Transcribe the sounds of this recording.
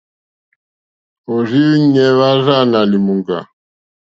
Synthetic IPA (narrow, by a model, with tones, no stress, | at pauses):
o˨zi˦ɲɛ˦βa˦za˦na˨li˨mu˨ŋɡa̰˨